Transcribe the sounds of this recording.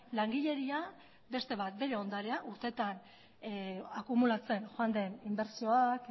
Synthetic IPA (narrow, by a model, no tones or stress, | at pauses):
laŋɡiʎe̞ɾia | be̞st̪e̞βat̪̚be̞ɾe̞o̞nd̪aɾe̞aʔuɾt̪e̞t̪an | akumulat͡se̞nxoand̪e̞nimbe̞ɾsio̞ak